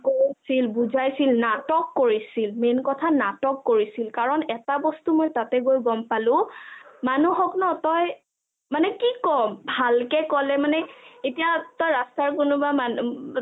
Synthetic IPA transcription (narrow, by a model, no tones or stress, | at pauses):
koɹsilbuzajsilnatɔkːoɹisilmenkɔtʰanatɔkːoɹisilkaɹɔnɛtabɔstumojtatɛɡojɡɔmpalʊ̃manuxɔknɔtɔj | manɛkikɔmbʱalkɛkɔlɛmanɛetijatɔjɹastaɹkʊnʊbaman